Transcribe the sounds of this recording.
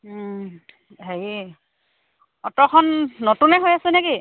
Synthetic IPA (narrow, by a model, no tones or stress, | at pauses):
ɦeji | ɔtɔkʰɔnːotunɛɦojasɛneɡi